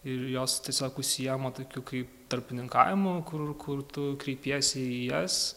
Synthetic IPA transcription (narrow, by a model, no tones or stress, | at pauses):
ɪɾjoːst̪ʲiɛsʲoːkʊʃʲsʲɪjiːmɐt̪oːkʲuːkɐɪpt̪ɐɾʲpʲɪnʲɪŋkɑ̰ːʋʲɪmʊkʊrkʰʊrt̪ʊkɾʲɛɪpʲiɛsʲɛijɛs